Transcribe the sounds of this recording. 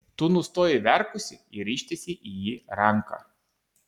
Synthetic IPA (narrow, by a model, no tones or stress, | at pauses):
t̪unʊst̪oːjɛʋʲɛɾkʊsʲɪɪɾʲiːʃʲt̪ʲesʲɪʔijiːɾɐŋkɐ̰